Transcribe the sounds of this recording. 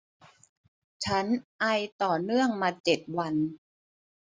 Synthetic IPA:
t͡ɕʰa˦˥nʔa˧jt̪ɔː˨˩nɯ˥˩əŋmaː˧t͡ɕe˨˩t̪̚wa˧n

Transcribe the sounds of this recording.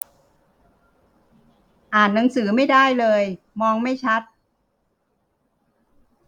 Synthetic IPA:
ʔaː˨˩nːa˩˦ŋsɯː˩˦ma˥˩jdaː˥˩jlɤː˧j | mɔː˧ŋma˥˩jt͡ɕʰa˦˥t̪̚

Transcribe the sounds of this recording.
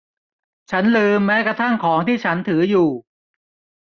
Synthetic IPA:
t͡ɕʰa˦˥nlɯː˧mːɛː˦˥kɾa˧t̪ʰa˥˩ŋkʰɔː˩˦ŋt̪ʰiː˥˩t͡ɕʰa˦˥nt̪ʰɯː˩˦juː˨˩

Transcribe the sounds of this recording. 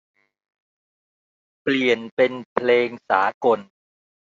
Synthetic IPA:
pli˨˩ənpe˧npʰleː˧ŋsaː˩˦ko˧n

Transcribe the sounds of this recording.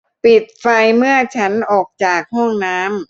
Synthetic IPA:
pi˨˩t̪̚fa˧jmɯ˥˩ɐt͡ɕʰa˦˥nʔɔː˨˩k̚t͡ɕaː˨˩k̚hɔ˥˩ŋnaː˦˥m

